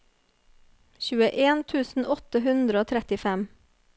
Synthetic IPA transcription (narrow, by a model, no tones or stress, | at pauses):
çʉːəʔeːnt̪ʰʉːsn̩ʔɔt̪əhʉnd̪ɾəoːt̪ʰɾɛt̪ɪfɛm